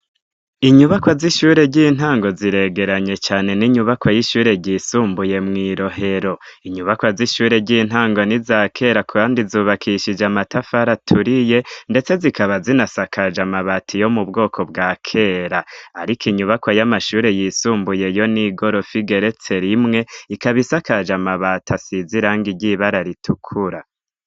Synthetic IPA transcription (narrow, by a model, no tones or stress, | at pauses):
iɲuβakwaziʃuːɾe̞ɟin̥aːŋɡo̞ziɾe̞ɡe̞ɾaɲe̞t͡ʃaːne̞niɲuβakwajiʃuːɾe̞ɟiːsuːmbuje̞mŋiːɾo̞ɦe̞ɾo̞ | iɲuβakwaziʃuːɾe̞ɟiːn̥aːŋɡo̞nizaːkʰe̞ɾakuβaːndizuːβakʰiʃid͡ʒamatafaɾatʰuɾije̞nde̞t͡se̞zikʰaβazinasakʰad͡ʒamaβatʰijo̞mubɡo̞ːkʰo̞bɡaːkʰe̞ːɾaːɾikʰiɲuβakwajamaʃuːɾe̞jisuːmbuje̞jo̞niɡo̞ɾo̞fiɡe̞ɾe̞t͡se̞ɾimŋe̞ikaβisakad͡ʒamaβatʰasiziɾaːŋɡiɟiβaɾaɾitʰukʰuɾa